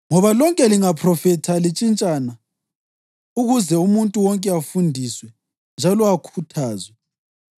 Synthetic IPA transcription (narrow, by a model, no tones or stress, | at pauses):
ŋɔβalɔŋkʼɛliŋapʰrɔfɛtʰalit͡ʃʼint͡ʃʼana | uɣuzɛumuntʼuwɔŋkʼɛafundʱiswɛ | nd͡ʒʱalɔakʰutʰaːzwɛ